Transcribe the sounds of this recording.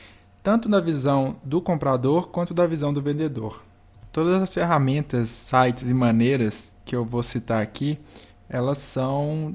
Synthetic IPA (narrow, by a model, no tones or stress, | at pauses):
t̪ɐ̃nt̪ʊd̪ɐvizɐ̃w̃d̪ʊkõmpɾad̪oɾkwɐ̃nt̪ʊd̪ɐvizɐ̃w̃d̪ʊvẽd̪ed̪oɾ | t̪od̪ɐzɐzɐsfeɦamẽnt̪ɐsːajt͡ʃɪzɪmɐ̃nejɾɐskɪewvosit̪aɾakʰi | ɛlɐsːɐ̃w̃